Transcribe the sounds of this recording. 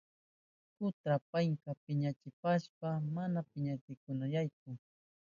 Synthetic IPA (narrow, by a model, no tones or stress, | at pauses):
kʊt̪ɾapaŋkapɪɲat͡ʃɪpaʃpamanapɪɲajt͡sɪjkʊnajajkʊ